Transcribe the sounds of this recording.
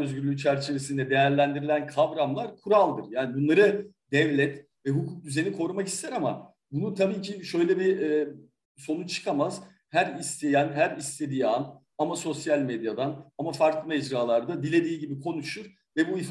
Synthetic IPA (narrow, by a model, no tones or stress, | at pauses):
øzɟyɾlʲyt͡ʃʰæɾt͡ʃʰe̞vesind̪ɛd̪e̞jæɾlʲænd̪iɾilʲænkʰavɾamlˠaɾkʰuɾalˠd̪ɯɾjaːnibunlˠaɾɯ | d̪ɛvlʲɛt̪ | vɛɦukʰuːk̚d̪yze̞nikʰo̞ɾumakci̥st̪ʰæɾama̰ | bunut̪ʰabiːcʰiʃø̞jlʲɛbiɛː | so̞nut͡ʃʰɯ̥kʰamaz̥ | hæɾist̪ʰe̞jænɦæɾist̪ʰe̞d̪iːan | amaso̞sjalʲmed̪jad̪anamafaɾklˠɯmɛd͡ʒɾaːlˠaɾd̪ad̪ilʲe̞d̪iːɟibikʰo̞nuʃuɾ̥ | vɛbuif